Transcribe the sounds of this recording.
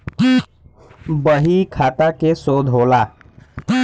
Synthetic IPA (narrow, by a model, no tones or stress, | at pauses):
bəɦikʰaːt̪akesoːd̪ʱɦoːlaː